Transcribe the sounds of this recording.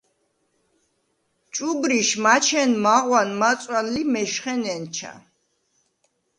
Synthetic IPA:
t͡ʃʼubɾiʃmat͡ʃʰɛnmaʁwanmat̪sʼwanlimɛʃχɛnɛnt͡ʃʰa̰

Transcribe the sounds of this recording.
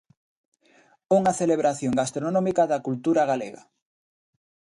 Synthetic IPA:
uŋɐθeleβɾaθjoŋɡast̪ɾonɔ̃mikaðɐkult̪uɾaɣaleɣa̰

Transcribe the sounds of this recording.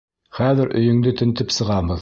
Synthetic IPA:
χæðɘɾʔɵ̰̆jɵ̆ŋd̪ɘt̪ɘ̆nt̪ɘpsɤ̆ʁɑβɤð

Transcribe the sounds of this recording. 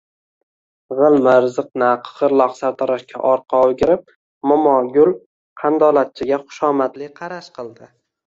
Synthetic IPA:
ʁɨlˠmɪɾzɨqnaqʰʁɨɾlˠɒqsaɾt̪ʰɒɾaʃkʲʰa̰ʔɒɾqʰɑoɡʲɪɾɪp̚ | mʊmɒɡʲʊlˠ | qʰɑnd̪ɒlat̪̚t͡ʃʰɪɡʲaχʊ̥ʃɒmat̪lɪqʰɑɾaʃqɨlˠd̪ɪ

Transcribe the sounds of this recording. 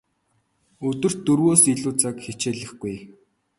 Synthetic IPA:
ɵt̪ɵ̆r̥t̪ːɵrɣoːsiɮuːt͡sakxet͡ɕeːɮə̆χɡuj

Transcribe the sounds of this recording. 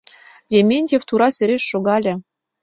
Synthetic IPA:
dʲemʲenʲtʲeft̪uɾɑsʲɘ̆ɾʲeʃːoɡɑlʲɘ̆

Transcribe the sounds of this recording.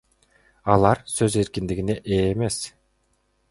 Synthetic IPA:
ɑlˠɑɾsøze̞ɾkʲind̪iɡineʔeːme̞s

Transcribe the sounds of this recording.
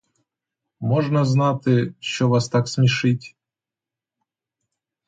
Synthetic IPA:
mɔʐnɐznat̪ɪʃɔʋast̪aksmʲɪʂɪtʲ

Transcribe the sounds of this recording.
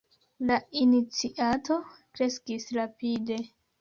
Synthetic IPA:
lainit͡siʔato̞kɾe̞skisɾapide̞

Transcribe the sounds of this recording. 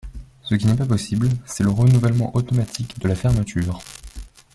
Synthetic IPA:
səkʲinɛpapɔsiblsɛləʁənuvɛlmɑ̃ʔot̪ɔmat̪ʰikd̪əlafɛʁmət̪ʰyːʁ

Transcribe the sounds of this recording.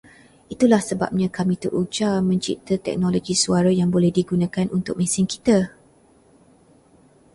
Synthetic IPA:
ʔit̪ulahsəba̰p̚ɲãkamĩt̪əɾʔud͡ʒamə̃ɲt͡ʃḭt̪ət̪ɛ̰k̚noloɡisuaɾajaŋbolɛhdiɡunãkanunt̪ʊk̚mɛ̃sɪnki̥t̪a

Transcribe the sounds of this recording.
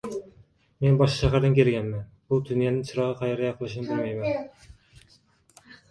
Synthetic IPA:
menbɑʃɑ̥ʃæɦæɾd̪ɨnkʲʰeɾɪɡʲɛnmɛn | b̥ud̪ynjenɪŋt͡ʃʰiɾɑʁɑqʰɑjɑɾjɑqʰəlˠɨʃ̬inɨbɪlmɛjmɛn

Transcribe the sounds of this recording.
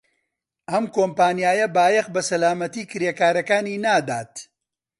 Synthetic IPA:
ʔɐmkoːmpaːnijaːjɐbaːjɐqbɐsɐlaːmɐt̪iːkɨɾekaːɾɐkaːniːnaːd̪aːt̪

